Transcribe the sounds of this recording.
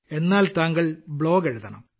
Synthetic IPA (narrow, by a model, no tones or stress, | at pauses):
e̞nːaːlt̪aːŋɡɐɭbɭo̞ːɡeɻuðɐɳɐm